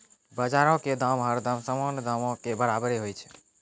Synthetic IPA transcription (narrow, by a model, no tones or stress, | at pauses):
bəd͡ʒaɾɔ̃ked̪əmɦəɾd̪əmsəmɔnd̪ʱəmɔ̃kebəɾabɾeɦojt͡ʃʰɛ̥